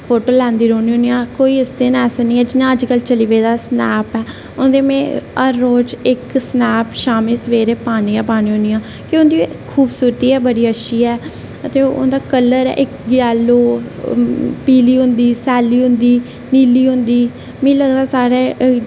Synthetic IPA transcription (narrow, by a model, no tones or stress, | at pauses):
pʰoːʈoːlɛ̃ːnd̪iːɾoːniːɦõːnijãːkoːiːɪsd̪enɛːsnĩːɛːd͡ʒɪnãːəd͡ʒkəlt͡ʃəliːʋeiːd̪aːsnɛːpɛː | ʊnd̪eːmẽːəɾːoːd͡ʒɪksnaːpʃaːmẽːsəʋeːɾeːpaːniːãːpaːnĩːɦõnijãː | kɪʊ̃nd̪iːkʰːuːbsuːɾət̪iːɛːbəɽiːəʃʰiːɛː | ət̪eːʊ̰nd̪aːkəlːəɾɛ̰ːʔɪkɡjaːlːoː | piːliːɦʊnd̪iːsɛːliːɦʊ̃nd̪iː | niːliːɦʊ̃nd̪iː | mĩːləɡd̪aːsaːɾeː